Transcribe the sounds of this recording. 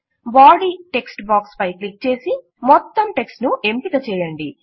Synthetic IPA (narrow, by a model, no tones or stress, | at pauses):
baːɖiʈe̞ksʈbaːkspɐjklik̚t͡ʃe̞ːsi | mɔt̪ːɐmʈe̞ksʈnuʔe̞mpit̪ɐt͡ʃɛːjɐɳɖi